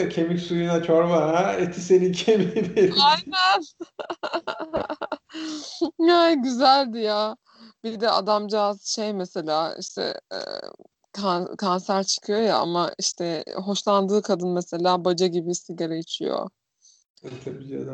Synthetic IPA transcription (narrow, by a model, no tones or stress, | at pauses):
cʰemicsujunat͡ʃʰoɾbaɦaet̪ʰisenicʰeminajnæn | ajɟyzælʲd̪ijaː | b̥id̪ɛʔa̰d̪amd͡ʒaazʃejmese̞lʲaːḭʃt̪ʰɛ̰ | kʰankʰansæɾt͡ʃʰɯ̥kʰɯjo̞ja̰a̰maiʃt̪ʰɛɦo̞ʃlˠand̪ɯːkʰad̪ɯnmese̞lʲaːbad͡ʒaɟibisiɡaɾajit͡ʃʰijo̰ | t̪ʰabiːa̰d̪